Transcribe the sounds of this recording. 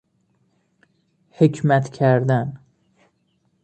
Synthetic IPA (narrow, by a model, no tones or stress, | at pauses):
hecʰmæt̪cʲʰæɾd̪æn